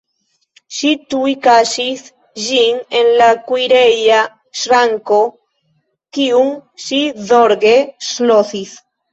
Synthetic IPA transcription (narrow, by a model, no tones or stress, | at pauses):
ʃit̪uikaʃiθ | ʒiŋenlakwiɾeja | ʃɾaŋko | kiuŋʃiðoɾɣesloθiθ